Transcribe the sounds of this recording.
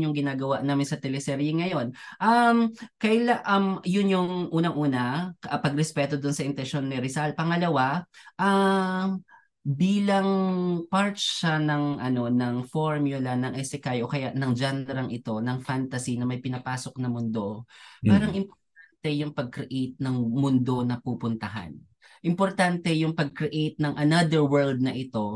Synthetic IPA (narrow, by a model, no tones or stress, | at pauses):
ʊŋɡɪnaːɡɐwaʔnaːmɪnsɐt̪ɛlɛsɛɾjɛŋɐjo̞nʔɐmkɐjlaʔɐmjʊnjoŋʔuːnɐŋʔuːnɐɐpɐɡɾɛspɛːt̪o̞d̪ʊnsɐʔɪnt̪ɛnʃo̞nːɛɾɪsalpɐŋɐlɐwaʔɐ | biːlɐŋpaɹt͡ʃʃɐnɐŋʔɐno̞nɐŋfoɹmjʊlɐnɐŋʔɛsɪkajʔokɐjaʔnɐŋd͡ʒanɾɐŋʔɪt̪o̞nɐŋfant̪ɐsinɐmɐjpɪnɐpaːso̞k̚nɐmʊnd̪o̞paːɾɐŋʔɪmpoɾt̪̚ant̪ɛjʊŋpɐɡ̚kɾɛʔejt̪̚nɐŋmʊnd̪o̞nɐpuːpʊnt̪ɐɦa̰n | ʔɪmpoɾt̪ant̪ɛjʊŋpɐɡ̚kɾɛʔejt̪̚nɐŋʔɐnad̪ɛɹwɛɹld̪̚nɐʔɪt̪o̞